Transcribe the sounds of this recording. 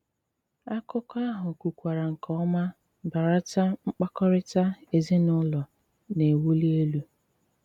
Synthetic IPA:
a˦kɔ˦kɔ˦a˦ɦʊ˨ku˨kʷa˨ɾa˨ŋ̩˨kɔ˦ɔ˦ma˦ | ba˨ɾa˦ta˦ŋ͡m̩˦k͡pa˦kɔ˦ɾɪ˦ta˦e˨zi˦nʊ˦lɔ˨ | ne˨wu˦li˦e˦lu˦

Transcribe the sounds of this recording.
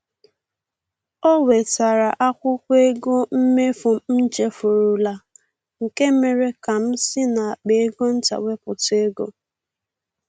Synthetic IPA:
ɔ˦we˨ta˨ɾa˨ʔa˦kʷʊ˦kʷe˦e˦ɡo˦m̩˦me˦fʊ˨m̩˦t͡ʃe˦fʊ˨ɾʊ˨la˨ | ŋ̩˨ke˦me˨ɾe˦ka˨m̩˦sɪ˦na˨a˨k͡pe˨e˦ɡo˦n̩˦ta̰˨we˦pʊ̰˨te˦ɡo̰˨

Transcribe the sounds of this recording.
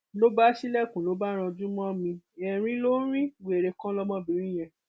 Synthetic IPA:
lo˦ba˦ʃi˦lɛ˦˨kũ˨lo˨˦ba˦ɾ̃ã˧d͡ʒũ˦mɔ̃˦mĩ˧ɛ˨ɾ̃ĩ˦lo˦ɾ̃ĩ˦ɡe˨ɾe˧kã˦lɔ˦mɔ̃˦bi˨˦ɾ̃ĩ˦j̃ɛ̃˧

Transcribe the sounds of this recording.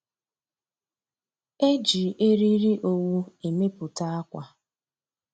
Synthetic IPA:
e˦d͡ʒi˨e˦ɾi˦ɾi˦ʔo˨wu˦e˨me˦pʊ˨ta˦a˦kʷa˨

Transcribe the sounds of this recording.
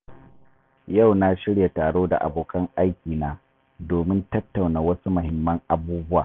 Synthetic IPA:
ja˦˨wna˦ʃɪ˦ɽja˨taː˨ɽoː˦da̰˨ʔa̰˨boː˨kɐ˦ŋʔa˦jkʲiː˨naː˦ | doː˨mɪ˦ntɐ˦tːa˨wnaː˨wɐ˦su˦mʊ˨hɪ˨mːɐ˦ŋʔa˨buː˦bʊ˦wa̰ː˨

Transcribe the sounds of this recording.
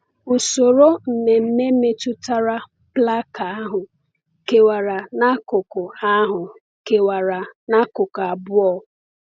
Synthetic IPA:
ʊ˨so˨ɾo˦m̩˨ne˨m̩˦me˦me˦tʊ˦ta˦ɾa˦ | pla˦ka˨a˦ɦʊ˨ | ke˨wa˨ɾa˨na˦kʊ˨kʊ˨a˦ɦʊ˨ | ke˨wa˨ɾa˨na˦kʊ˨ka˨bʊ˦ɔ˦˨

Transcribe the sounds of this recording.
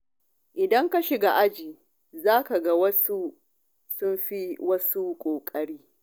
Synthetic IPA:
ʔɪ˨dɐ˦ŋka˦ʃɪ˨ɡa˨ʔa˦d͡ʒiː˨ | zaː˦ka˨ɡa˦wɐ˦su˦ | sʊ˦mɸi˦wɐ˦su˦kʷʼoː˨kʼɐ˦ɽiː˦

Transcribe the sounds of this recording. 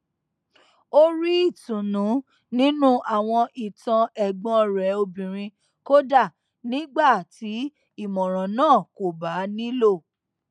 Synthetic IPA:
o˦ɾi˦i˦˨tũ˨nũ˨˦ | nĩ˦nũ˦ʔa˦˨w̃ɔ̃˧ʔi˨tã˧ʔɛ˨ɡ͡bɔ̃˧ɾɛ˨˦o˧bĩ˨ɾ̃ĩ˧ | ko˦da˦˨ | nĩ˨˦ɡ͡ba˦˨ti˨˦ | i˦˨mɔ̃˨ɾ̃ɔ̃˨nãː˦˨ko˨ba˨˦nĩ˦lo˦˨

